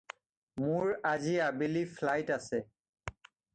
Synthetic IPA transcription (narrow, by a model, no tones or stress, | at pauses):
mʊɹaziabelifʰlajtasɛ